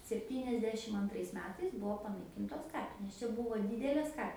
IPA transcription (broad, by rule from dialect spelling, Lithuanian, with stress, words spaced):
sʲɛpʲˈtʲiːnʲɛzʲdʲɛʃʲɪm ɐnˈtrɐɪs ˈmʲæːtɐɪs ˈbʊʋoː pɐnɐɪˈkʲɪntoːs ˈkɑːpʲɪnʲeːs ˈt͡ʃʲɛ ˈbʊʋoː ˈdʲiːdʲɛlʲeːs ˈkɐ